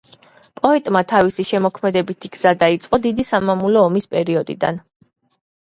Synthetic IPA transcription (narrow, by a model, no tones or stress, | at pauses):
pʼɔɛt̪ʼmat̪ʰavisiʃɛmɔkʰmɛd̪ɛbit̪ʰiɡz̥ad̪ait̪sʼqʼɔd̪id̪isamamulɔːmispʼɛɾiɔd̪ḭd̪a̰n